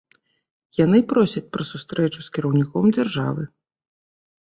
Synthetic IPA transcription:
janɨpɾɔsʲɐt͡sʲpɾɐsust̪ɾɛt͡ʃuskʲiɾɐwnʲikɔmd͡zʲarʐa̰vɨ

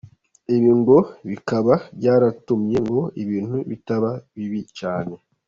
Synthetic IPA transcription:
iβiːŋɡo̞βikaβabɟaːɾatumɲe̞ŋɡo̞iβiːn̥huβitaβaβiβit͡ʃaːne̞

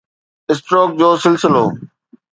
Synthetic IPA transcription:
ɪs̬ʈɾoːk̚d͡ʑoːsɪlsɪlo̰ː

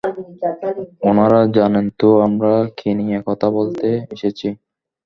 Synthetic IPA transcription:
onaɾad͡ʑanent̪oamɾakʰiniekɔt̪ʰabolt̪eeʃet͡ɕʰi

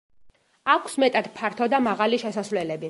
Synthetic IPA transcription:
akʷʰsmɛt̪ʼad̪̥pʰaɾt̪ʰɔd̪amaʁaliʃɛsasvlɛlɛbi

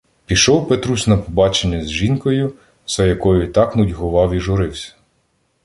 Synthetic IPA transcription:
pʲiʃɔwpɛt̪ɾusʲnɐpɔbɑt͡ʃenʲːɐzʲʒinkɔjʊ | sɛjɐkɔjʊt̪ɑknʊdʲɦʊʋɑwiʒʊɾɪwsʲɐ̥

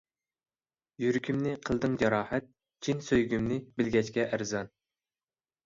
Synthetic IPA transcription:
jyɾkʲʰymnɪqʰəlˠd̪ɨŋd͡ʒɑɾɑːhɛt̪̚ | t͡ʃʰinsøjɡʲymnɪbɪlɡʲɛt͡ʃkʲɛʔæɾzɑn

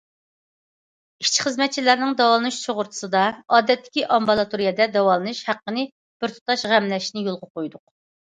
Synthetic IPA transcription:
i̥ʃt͡ʃʰχəzmɛt̪̚t͡ʃʰilæɾnɪŋd̪ɑwɑlˠɨnɨʃt͡ʃʰoʁʊɾt̪ʰu̥sɨd̪ɑɑːd̪ɛt̪ːɪ̥kʲiʔɑmbɑlˠɑt̪ʰuɾijɛd̪ɛd̪ɑwɑlˠɨnɨʃhæqːənɨ | b̥ɪɾt̪ʰu̥t̪ɑʃʁæmlɛʃnɪjolˠʁɑqojd̪ʊq

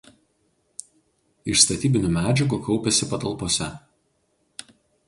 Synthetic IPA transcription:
ɪʃst̪ɐt̪ʲiːbʲɪnʲuːmʲæːd͡ʒʲɛɡuːkɒʊpʲɛsʲɪpɐt̪ɐlˠpoːsʲɛ

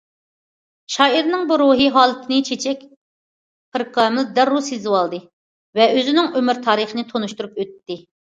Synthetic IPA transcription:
ʃɑːiɾnɨŋbuɾuɦiɦɑːlˠɨt̪ʰɨnɨt͡ʃʰet͡ʃʰɛkʲ | pʰɨɾqʰɑːmɨld̪æɾːusizɨwɑlˠd̪ɨ | vɛʔøzɪnɪŋømɪɾt̪ʰɑːɾɨχənɨt̪ʰonuʃt̪uɾupøt̪ːɪ

